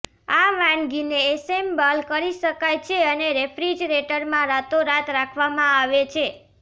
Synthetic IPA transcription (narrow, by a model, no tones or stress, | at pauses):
aʋãnɡineːsembalkəɾiʃəkajt͡ʃʰeəneɾepʰɾid͡ʒɾeʈəɾmãɾat̪oɾat̪ɾakʰʋamãaʋet͡ʃʰe